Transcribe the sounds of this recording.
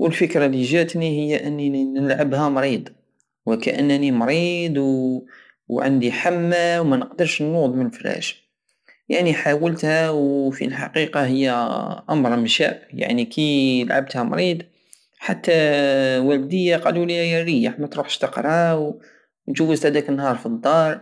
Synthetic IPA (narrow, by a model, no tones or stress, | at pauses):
wəlfəkɾɑliʒæt̪nihəjːæʔənːinəlʕabhæmɾid̪ˤ | wəkæʔə̰nːnimɾid̪ˤw | wʕə̰nd̪iħamːawmænəqd̪əɾˤʃnːud̪ˤmənəflæ̰ʃ | jaʕniħawəlt̪hæwfḭlħɑ̰qiqɑɦəjːæʔɑmɾˤmʃæ̰bja̰ʕnikiəlʕab̚t̪hæmɾid̪ˤ | ħat̪ːæwæld̪əjːaqɑluliæjæɾəjːaħmæt̪ɾuħʃt̪əqɾˤɑw | nʒuwːəzt̪hæd̪ækənːhɑɾˤfid̪ˤːɑɾˤ